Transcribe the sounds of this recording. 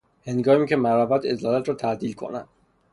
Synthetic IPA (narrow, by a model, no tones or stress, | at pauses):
he̞ŋɡɒːmiːkcʰemæɾɒːbæt̪ʰezlɒːlæt̪ɾɒːt̪ʰæd̪iːlkʰo̰næ̰nd̪